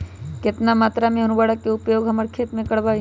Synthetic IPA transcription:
kɪt̪namaːt̪ɾamẽɦɐnʊbaːɽəkːeʊpjoːɡɦɐməɾkʰeːt̪mẽkɐɽbaːi

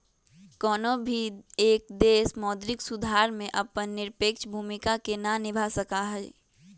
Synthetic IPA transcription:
kɔːnobʱieːk̚d̪eːsmɔːd̪ɾɪksʊd̪ʱaːɾmẽʔɐpənːɪɾpeːkt͡ʃbʱuːmɪkakenanɪbʱasɐkaɦɛː

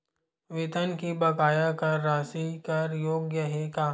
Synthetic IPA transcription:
ʋɪt̪ənkibɐkaːjakɐɾːaːsikɐɾjoːɡjəɦekaː

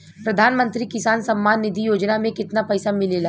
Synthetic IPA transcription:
pɾɐd̪ʱaːnmə̃nt̪ɾikɪsaːnsɐmːaːnːɪd̪ʱijoːd͡ʒnamẽkɪt̪napɐɪsamɪlela

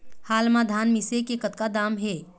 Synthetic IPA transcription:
haːlmãd̪ʱaːnmɪsekekət̪̚kad̪aːmɦeː

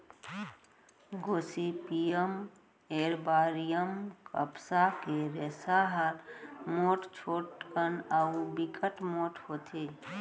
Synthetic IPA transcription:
ɡoːsipijəm | eːɾbaːɾijəmkə̰psakeɾeːsaɦəɾmoːʈt͡ʃʰoːʈkənabikʰəʈmoːʈhoːt̪ʰeː

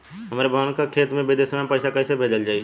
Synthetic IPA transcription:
ɦɐmaːɾebʱaʋaːnkakʰeːt̪mẽbed̪eːsəmapəɪsakɐːsebʱeːd͡ʒəld͡ʒaːi

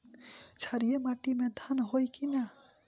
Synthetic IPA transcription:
t͡ʃʰaɾijemaʈimẽd̪ʱanɦojkina

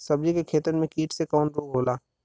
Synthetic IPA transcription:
sɐb̚d͡ʒikekʰeːt̪əɾmẽkiːʈsekɔːnɾoːɡɦoːlaː

